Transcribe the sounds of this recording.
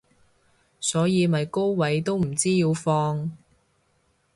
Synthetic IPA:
sɔː˨˥jiː˨˧mɐ˨jko˥wwɐ˨˥jt̪o˥wm̩˨˩t͡siː˥jiː˧wfɔː˧ŋ

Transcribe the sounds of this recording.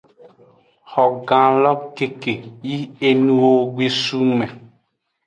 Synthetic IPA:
hɔ˨ɡã˨lɔ˦k̚ke˨ke˨ji˦e˦nũ˦o˨ɡe˦su˦mɛ̃˨

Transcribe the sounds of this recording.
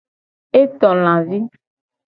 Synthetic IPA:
e˦t̪ɔ˨l̃ã˨vi˦

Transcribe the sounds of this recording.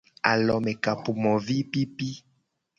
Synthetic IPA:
a˨lɔ˨mɛ˨ka˨pu˨mɔ˨vi˦pi˦pi˦

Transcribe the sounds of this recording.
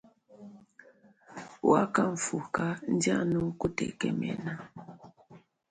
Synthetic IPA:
wa˦ka˦ɱ̩˨fu˨ka˦n̩˦da˦nu˦ku˦tɛ̰˨kɛ˨mɛ̰˨na˦

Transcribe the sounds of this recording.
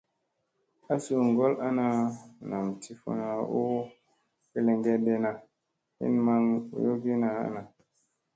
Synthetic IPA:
a˦su˦˨ŋɡo˦la˦na˨na˨mtʰi˦fo̰˨na˨u˦ | pi˦le˨ŋɡe˦de˦na˨ | hḭ˦nma˦ŋṵ˨jo˦ɡi˦na˨a̰˦na˨

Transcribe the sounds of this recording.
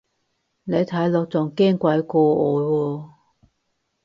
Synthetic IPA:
ne˨˧jt̪ʰɐ˨˥jlɔː˨˧k̚t͡sɔː˨˩ŋkɛː˥ŋkʷɐ˨˥jkɔː˧ʔɔː˨˧wɔː˧

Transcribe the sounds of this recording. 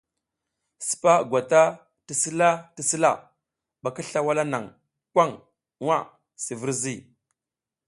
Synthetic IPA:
spa˦ɡʷa˨ta˦ | ti˨si˦la˦ti˨si˦la˦ | ɓa˨kə˦ɬa˦wa˦la˦na̰˨ŋ | kʷa˦ŋ | wʷa˦˨ | si˨və˦ɾzi˦˨

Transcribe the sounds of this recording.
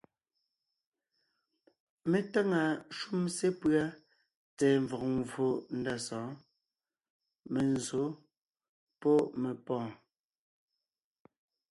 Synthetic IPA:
me˨ta˦ŋa˨ʃu˦mse˦pɰa˦ | t͡sɛː˨ɱ˨vɔ˨k̚ŋvo˨n̩˦da˦˨sɔ̃ː˨˦ | me˨n˨zo˨˦ | pɔ˦ʔme˨pɔ̃ː˦˨

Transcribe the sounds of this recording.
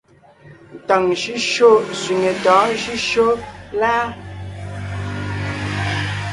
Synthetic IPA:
n˨ta˨ŋʃi˦ʃo˦˨sɥi˨ŋe˨tɔ̃ː˨˦ʃi˦ʃo˦la˦

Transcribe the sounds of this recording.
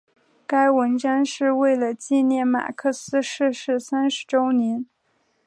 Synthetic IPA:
ka˥ɪwə˧˥nʈ͡ʂa˥nʂɻ̩˥˧we˥˩ɪlə˩t͡ɕi˥˧njɛ˥˩nma̰˨˩kʰɤ˥˩sɹ̩˥ʂɻ̩˥˧ʂɻ̩˥˩sa˥nʂɻ̩˧˥ʈ͡ʂo˥ʊnjɛ˧˥n

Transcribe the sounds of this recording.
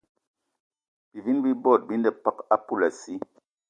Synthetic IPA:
b̥i˨vi˦nbi˦bɔ˦˨t̚bi˦ndɛ˨pa˦ka˦pu˦la˨si˦

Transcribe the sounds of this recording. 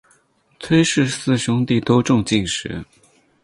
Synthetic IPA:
t̪ʰwe˥ɪʂɻ̩˥˧sɹ̩˥˩ɕʊ˥ŋt̪i˥˩t̪o˥ʊʈ͡ʂʊ˥˧ŋt͡ɕi˥˩ŋʂɻ̩̰˧˥

